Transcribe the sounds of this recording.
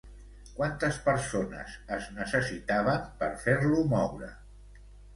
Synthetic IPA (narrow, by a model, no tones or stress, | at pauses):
kwant̪əspəɾsonə̰zəznəsəsit̪aβəmpəɾfeɾlumɔwɾə̰